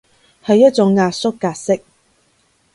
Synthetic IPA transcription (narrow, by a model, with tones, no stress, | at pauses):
hɐ˨jːɐ˥t̚t͡sʊ˨˥ŋːaː˧t̚sʊ˥kːaː˧t̚sɪ˥k̚